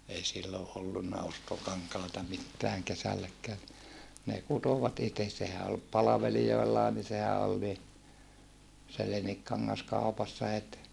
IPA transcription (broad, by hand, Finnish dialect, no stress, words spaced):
ei silːoʔ ʔolːunːɑ ostokɑŋkɑˑetɑ mitːæːŋ kesælːækːæː ni ne kutoʋɑt ites sehæ ol pɑlɑʋelijoelːɑː ni sehæ ol ni se leniŋkːɑŋːɑs kɑupɑsːɑ het